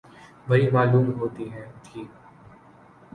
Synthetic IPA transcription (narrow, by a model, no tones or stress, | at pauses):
bɐɦimaːluːmɦoːt̪iɦɛ̃ːʈʰiːk